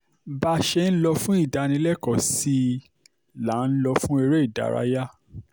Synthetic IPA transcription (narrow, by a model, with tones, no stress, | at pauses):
ba˧ʃe˧n̩˦lɔ˧fũ˦i˦˨da˧nĩ˧˦lɛ˦kɔ˨si˦ | la˨˦n̩˦lɔ˧fũ˦e˧ɾe˦i˦˨da̰˨ɾa̰˦ja˦